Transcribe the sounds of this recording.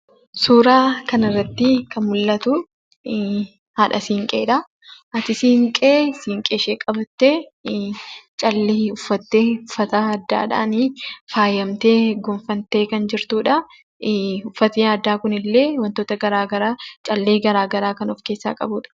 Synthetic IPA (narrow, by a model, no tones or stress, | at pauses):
suːɾaːkɐnɐrːɐt̪ːɪkɐnmʊlːɐt̪ʊ | haːᶑɐsiːŋkʼeːᶑɐ | ʔɐt̪ɪsiːŋkʼeːsiːŋkʼeːʃeːkʼɐbɐt̪ːe | t͡ʃʼɐlːeːʊfːɐt̪ːeːʊfːɐt̪ɐːd̪ːa̰ːᶑa̰ːnifaːjɐmt̪eːɡʊmfɐnt̪e̞ːkɐnd͡ʒɪɾt̪uːᶑɐ | ʊfːɐt̪iːɐd̪ːaːkʊnɪlːe̞ːwɐnt̪oːt̪ɐɡɐɾaːɡɐɾaːt͡ʃʼɐlːeːɡɐɾaːɡɐɾaːkɐnɔfke̞ːsːa̰ːkʼɐ̰buːᶑɐ̥